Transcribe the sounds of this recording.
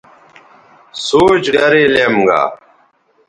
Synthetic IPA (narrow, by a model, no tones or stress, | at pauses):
soːt͡ɕɡɐɾeːleːmɡa̰ː